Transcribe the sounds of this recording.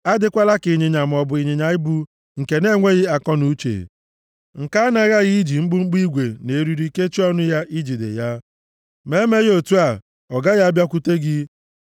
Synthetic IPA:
a˦dɪ˦kʷa˦la˦kɪ˨ɲɪ˨ɲa˨m̩˨ɔ˨bʊ˨i˨ɲe˨ɲa˨ɪ˦bu˦ | ŋ̩˨ke˨ne˦ŋʷe˦ɣɪ˦a˨kɔ˦nu˦t͡ʃḛ˨ | ŋ̩˨ka˦na˦ɣa˦ɣi˦i˦d͡ʒi˨ŋ͡m̩˦ɡ͡bʊ˦ŋ͡m̩˦ɡ͡bi˦ɡʷe˨ne˨ɾu˦ɾi˦ke˦t͡ʃi˦ɔ˦nʊ˦ja˦ʔi˦d͡ʒi˨dḛ˨ja˦ | me˦me˦ɣo˨tu˦a˨ | ɔ˨ɡa˦ɣa˦bja˦kʷu˦te˦ɡɪ˦

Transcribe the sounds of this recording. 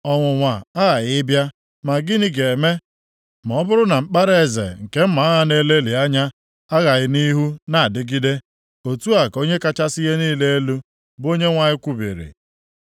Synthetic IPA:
ɔ˨ŋʷʊ˨ŋʷa˨a˦ɣa˨ɣɪ˦bja˦ | ma˨ɡɪ˦ni˦ɡe˨me˦ | mɔ˨ɔ˦bʊ˦ɾʊ˦na˨m̩˦k͡pa˦ɾe˦e˦˨zḛ˨ŋ̩˨ke˦m̩˦ma˨a˦ɣa˦ne˦le˦li˨a˦ɲa˦ | a˦ɣa˨ɣɪ˦ni˦ɦu˦na˨a˨dɪ˦ɡi˦de˦ | o˨tu˦a˨ko˦ɲe˦ka˦t͡ʃa˦sɪ˦ɣe˦niː˦le˦e˦lu˦ | bo˦ɲe˦ŋʷa˨ɲɪ˦kʷu˦bḭ˨ɾḭ˨

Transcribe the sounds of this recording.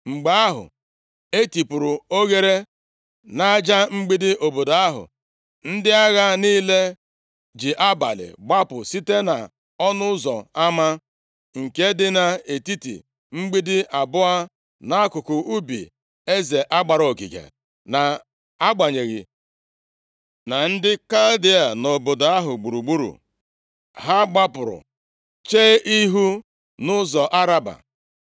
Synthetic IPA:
ŋ͡m̩˨ɡ͡ba˦a˦ɦʊ̰˨ | e˦ti˨pʊ˨ɾʊ˨o˦ɣe˦ɾe˦ | na˦a˦d͡ʒa˦ŋ͡m̩˦ɡ͡bi˦dɪ˦ʔo˨bo˨da˨a˦ɦʊ̰˨ | n̩˦dɪ˦a˦ɣa˦niː˦le˦ | d͡ʒɪ˨ʔa˦ba̰˨lɪ̰˨ɡ͡ba˦pʊ̰˨si˦te˦na̰˨ | ɔ˦nʊ˦zɔ̰˨a˦ma˦ | ŋ̩˨ke˦dɪ˦na˨e˨ti˦tḭ˨ | ŋ͡m̩˦ɡ͡bi˦dɪ˦ʔa˨bʊ˦a˦ | na˦a˦kʊ˨kʊ˨ʔu˦bḭ˨ | e˦ze˨ʔa˦ɡ͡ba˨ɾo˨kḭ˨kḛ˨ | na˨ | a˦ɡ͡ba˨ɲe˨ɣi˨ | na˨n̩˦dɪ˦ka˦ldɪ˦a˨no˨bʊ˨da˨˦a˦ɦʊ˨ɡ͡bu˨ɾu˨ɡ͡bu˦ɾṵ˨ | ɦa˦ɡ͡ba˦pʊ˨ɾʊ̰˨ | t͡ʃe˦ʔi˦ɦu˦ | nʊ˦zɔ˨ʔa˦ɾa˦ba̰˨

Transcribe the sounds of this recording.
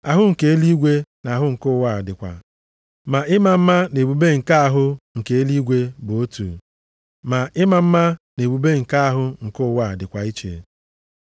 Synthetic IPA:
a˨ɦʊ˦ŋ̩˨ke˨e˦li˦ɡʷe˦na˨ɦʊ˦ŋ̩˨kʊ˦˨wa˦˨dɪ˨kʷa̰˨ | ma˨ɪ˦ma˨m̩˦ma˦ne˨bu˨be˦ŋ̩˨ka˦a˨ɦʊ˦ŋ̩˨ke˨e˦li˦ɡʷe˦bʊ˨o˦tṵ˨ | ma˨ʔɪ˦ma˨m̩˦ma˦ne˨bu˨be˦ŋ̩˨ka˦a˦˨ɦʊ˦ŋ̩˨kʊ˦˨wa˦˨dɪ˨kʷa˨i˦t͡ʃḛ˨

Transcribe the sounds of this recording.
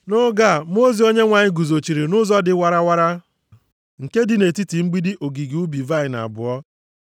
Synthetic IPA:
nʊ˦ɡa˦˨m˦o˦zi˨˦o˦ɲe˦ŋʷa˨ɲɪ˦ɡu˨zo˨t͡ʃi˨ɾi˨nʊ˦zɔ˦dɪ˨˦wa˦ɾa˦wa˦ɾa˦ | ŋ̩˨ke˦dɪ˨ne˨ti˦ti˨ŋ͡m̩˦ɡ͡bi˦dɪ˦ʔo˨ɡi˨ɡu˦bi˨va˦˨ɪ˨na̰˨bʊ˨ɔ˦

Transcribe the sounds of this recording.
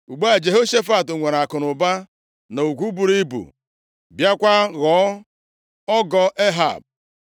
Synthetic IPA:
u˨ɡ͡ba˦˨d͡ʒe˨ɦo˦ʃe˦fa˨tŋʷe˨ɾa˨kʊ˨nʊ˨ba˦ | no˨u˨ɡʷu˦bu˨ɾi˦bṵ˨ | bja˦kʷa˦ɣɔ˨˦ | ɔ˦ɡɔ˦ʔe˦ɦa̰˨b̚

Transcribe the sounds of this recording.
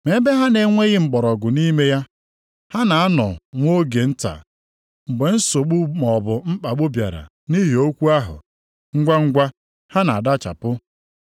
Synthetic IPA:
me˨˦be˦ɦa˦ne˨ŋʷe˦ɣɪ˦ŋ͡m̩˨ɡ͡bɔ˨ɾɔ˨ɡʊ˨ni˦me˦ja˦ | ha˦na˨a˦nɔ˨ŋʷo˦ɡe˨n̩˦ta̰˨ | ŋ͡m̩˨ɡ͡be˨n̩˦so˨k͡pu˦mɔ˨bʊ˨m̩˦k͡pa˨ɡ͡bʊ˦bja̰˨ɾa̰˨ | ni˦ɦi˨o˦kʷu˦a˦ɦʊ̰˨ | ŋ̩˦ɡʷa˦ŋ̩˦ɡʷa˦ | ha˦na˨a˨da˦t͡ʃa̰˨pʊ˦

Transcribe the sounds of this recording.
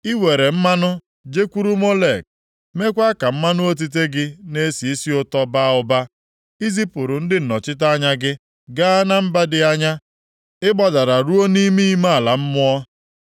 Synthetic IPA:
i˦we˨ɾe˨m̩˦ma˦nʊ˦ | d͡ʒe˦kʷu˦ɾu˦mo˦le˨k̚ | me˦kʷa˦ka˨m̩˦ma˦nʊ˦o˦t̬i˦t̬e˦ɡɪ˦ne˦si˨i˦si˦ʊ˦tɔ˦ba˦ʊ˨ba˦ | i˦zi˦pʊ˨ɾʊ˨n̩˦dɪ˦n̩˨nɔ˨t͡ʃɪ˦t̬a˦ɲa˦ɡɪ˦ | ɡa˦na˦m̩˦ba˦dɪ˦a˦ɲa˦ | ɪ˦bɔ˨da˨ɾa˨ɾu˦o˦ni˦mi˦i˦ma˦a˨la˨m̩˦mʊ˦ɔ˦

